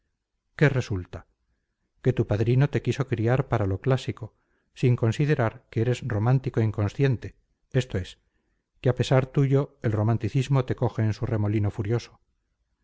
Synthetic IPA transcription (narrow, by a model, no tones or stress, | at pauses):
ke̞re̞sult̪a | ke̞t̪upaðɾino̞t̪e̞kiso̞kɾiaɾpaɾalo̞klasiko̞ | siŋko̞nsiðeɾaɾkeeɾe̞sro̞mãnt̪iko̞iŋko̞nsθje̞nt̪e̞ | e̞st̪o̞e̞s | keape̞saɾt̪uʝoe̞lro̞mãnt̪iθizmo̞t̪e̞ko̞xe̞ːnsure̞mo̞lino̞fuɾjo̞so̥